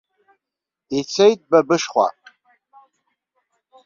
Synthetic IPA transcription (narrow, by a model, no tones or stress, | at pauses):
it͡sʰejt̚bɐbɨʂχʷa̰